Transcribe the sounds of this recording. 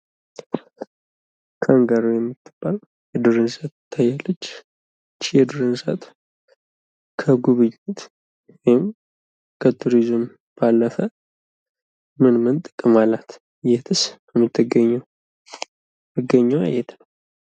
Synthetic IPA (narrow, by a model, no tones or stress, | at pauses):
kʰaŋɡaɾojɛmːɨt̪ʰːɨ̥b̥al | jɛd̪uɾənsat̪t̪ʰːajːalːət͡ʃː | t͡ʃːjɛd̪uɾɨnsət̪ | kʰəɡuβɨɲːɪt̪ | wɔjɪm | kʰət̪ʰuɾizɨm | b̥alːəfə | mɨnmɨnt̪ʼɨkʼɨmalːat̪ | jɛt̪ʰɨsbəmːɨt̪ʰːɨɡəɲːw | mɨɡəɲːəwa̰jɛt̪nəw